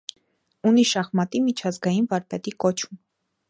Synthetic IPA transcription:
uniʃɑχmɑt̪imit͡ʃʰɑzɡɑjinvɑɾpɛt̪ikɔt͡ʃʰum

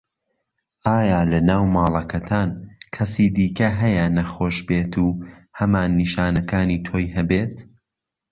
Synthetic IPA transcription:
aːjaːlɐnaːwmɑːlˠɐkʰɐt̪ʰaːnkʰɐsiːd̪iːkɐɦɐjɐnɐxoːʃbeːt̪ʰuːhɐmaːnːiʃaːnɐkaːniːt̪ʰoːjɦɐbeːt̪

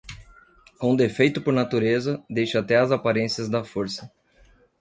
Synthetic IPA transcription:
kõd̪efejt̪ʊpoɾnat̪uɾezɐd̪ejʃɐat̪ɛɐzapaɾẽsiɐzd̪ɐfoɾsɐ

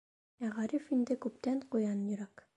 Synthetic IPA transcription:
æʁɑɾifind̪ɘkʉp̚t̪æɴqujɑnjɵ̆ɾɑk

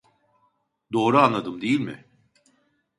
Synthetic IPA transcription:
d̪o̞ːɾuanlˠad̪ɯmd̪ejilʲmɪ̰

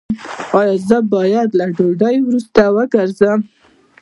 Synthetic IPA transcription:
ɑjɑzəbɑjad̪laɖoɖəjwɾust̪awəɡəɾzəm

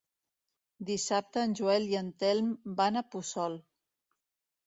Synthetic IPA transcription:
d̪isap̚t̪əːnʲʒuɛliənt̪ɛlˠmbanəpusɔlˠ

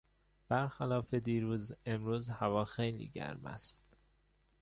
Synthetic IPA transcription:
b̥æɾxælɒːfe̞d̪iːɾuːze̞mɾuːzhævɒːxejlḭːɟæ̰ɾmæ̰st̪

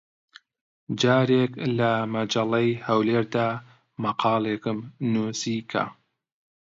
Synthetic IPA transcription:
d͡ʒɑːɾeklɐmɐd͡ʒɐlɐjhɐwleːɾd̪aː | mɐqʰɑːlˠekɨmnusikʰa̰

